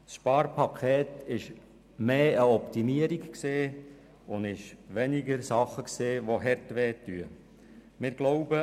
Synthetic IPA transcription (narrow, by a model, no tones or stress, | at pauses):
sʃpɑːɾpʰɑkʰeːt̪ɪʃ | meːəɔpt̪imiəɾikkseː | ʊndɪʃʋɛniɡəɾsɑχːəkseːʋoɦɛɾtʋɛːtːyə | mɪːɾɡ̥loʊbə